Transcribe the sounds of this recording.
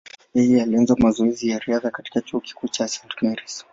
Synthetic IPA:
jɛjɛalianzwamazɔɛzijaɾiaðakati̥kat͡ʃuɔki̥kut͡ʃasantmɛɾis

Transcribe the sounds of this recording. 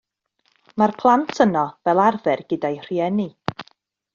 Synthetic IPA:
marpʰlˠantʰənɔvɛlˠarvɛrɡ̥ədajr̥iɛni

